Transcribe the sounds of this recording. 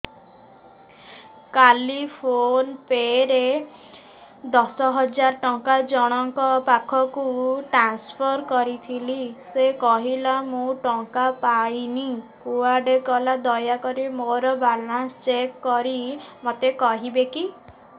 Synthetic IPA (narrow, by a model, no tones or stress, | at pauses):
kalipʰonpeɾe | d̪ɔsɔɦɔd͡ʒaɾɔʈɔŋkad͡ʒɔɽ̃ɔŋkɔpakʰɔkuʈɾanspʰɔɾkɔɾit̪ʰilisekɔɦilamũʈɔŋkapajnikuaɾɖekɔlad̪ɔjakɔɾimoɾɔbalanst͡ʃekːɔɾimot̪ekɔɦibeki